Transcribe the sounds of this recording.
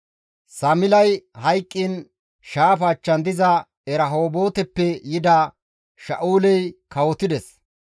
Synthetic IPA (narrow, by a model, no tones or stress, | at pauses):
sɐmɪlɐjhɐjkʼːɪn | ʃaːfɐːt͡ʃːɐnd̪ɪzɐ | ɛɾɐɦoːbo̞ːt̪ɛpːɛjɪd̪a | ʃɐ̰ʔuːlɛjkɐwɔt̪ɪd̪ɛs